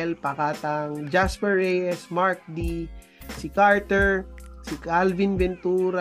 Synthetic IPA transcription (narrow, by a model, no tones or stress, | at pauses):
ɛlpɐkaːt̪aŋd͡ʒaspɛɹːɛjɛsmaɹk̚d̪i | sɪkaɹt̪ɛɹsɪkalvinbɛnt̪uːɾa